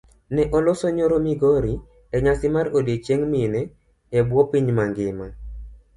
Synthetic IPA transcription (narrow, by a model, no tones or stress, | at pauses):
nɛʔɔlɔsoɲoɾomiɡoɾi | ɛɲasɪmaɾodet͡ʃeŋmɪnɛ | ɛbwɔpiɲmaŋɡɪma